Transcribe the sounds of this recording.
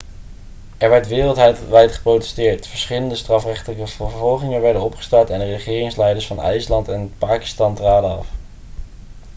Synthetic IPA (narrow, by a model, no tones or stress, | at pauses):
ʔɛɹʋɛɹtʋɪːrəlˠtɦɛjtʋɛjtχə̥prowtɛ̥stɪːɹtfəɹsχɪləndəstrɑfrɛχtələkəv̥əɹvɔlˠχɪŋənʋɛɹdənɔpχə̥stɑɹtɛndərəχɪːrɪŋslɛjdəɹsfɑnɛ̰jslɑntɛnəpaːki̥stɑntraːdəɑ̰f